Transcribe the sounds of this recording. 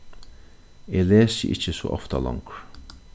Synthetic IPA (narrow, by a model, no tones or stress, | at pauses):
eːleːsə̰ʔɪ̰t͡ʃːəso̰ːʔɔ̰ft̪alɔ̰ŋkɾ